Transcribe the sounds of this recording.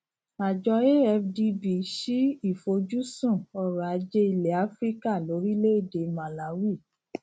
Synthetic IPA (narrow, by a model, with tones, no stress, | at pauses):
a˨d͡ʒɔ˧e˦ɛ˧fdi˧bi˧ʃi˦i˦˨fo˧d͡ʒu˦sũ˦˨ɔ˧ɾa˨a˨˧d͡ʒe˦i˧le˨a˨˦fɾi˦ka˦˨lo˨˦ɾi˦le˦e˦˨de˨˧mã˨la˨˦wi˦˨